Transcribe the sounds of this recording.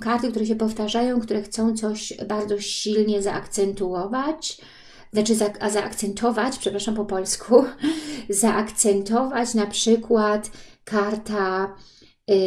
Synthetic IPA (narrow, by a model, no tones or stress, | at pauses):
kaɾt̪ɘkt̪uɾɛɕ̬ɛpɔft̪aʐajɔ̃w̃kt̪uɾɛxt̪sɔ̃w̃t̪sɔɕbaɾd̪zɔɕilɲɛzaʔakt̪sɛnt̪uɔvat͡ɕ | znat͡ʂɘzaazaʔakt̪sɛnt̪ʰɔvat͡ɕʲpʂɛpɾaʂampɔpɔlskʰu | zaʔakt̪sɛnt̪ɔvat͡ɕnapʂɘkwat̪kaɾt̪a